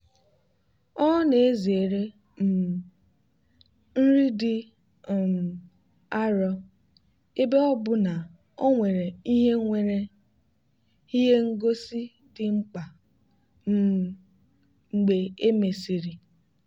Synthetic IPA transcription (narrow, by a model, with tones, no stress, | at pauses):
ɔ˦ŋɔ˦ne˨e˦ze˨ɾe˦˨ | n̩˦ɾi˦dɪ˦˨ | a˦ɾɔ˦ | e˦be˦ɔ˦bʊ˦na˨ | o˦ŋʷe˨ɾe˨i˦ɦe˦ŋʷe˨ɾe˦ | hi˦ɦe˦ŋ̩˦ɡo˦si˦ | dɪ˨ŋ͡m̩˦k͡pa˨ | m̩˦ | ŋ͡m̩˨ɡ͡be˨e˦me˨si˨ɾi˨